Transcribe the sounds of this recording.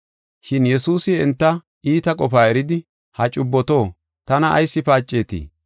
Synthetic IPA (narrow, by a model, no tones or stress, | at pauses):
ʃɪnjɛsuːsɪɛnt̪ːɐ | iːt̪ɐkʼɔfaːɛɾɪd̪ɪ | hɐt͡ʃʼʊbːɔt̪o̞ː | t̪ɐnɐɐ̰jsːɪpaːt͡ʃʼːe̞ːt̪ḭː